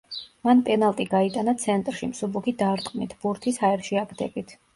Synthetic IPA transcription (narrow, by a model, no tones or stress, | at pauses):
manpʼɛnalˠt̪ʼiɡait̪ʼanat̪sʰɛnt̪ʼɾʃimsubukʰid̪aɾt̪ʼqʼnit̪ʰbuɾt̪ʰisaɛɾʃiaɡd̪ɛbit̪ʰ